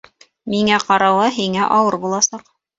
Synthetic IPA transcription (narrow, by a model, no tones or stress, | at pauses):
miŋæqɑɾɑwɑɦiŋæʔɑwɤɾbulˠɑsɑq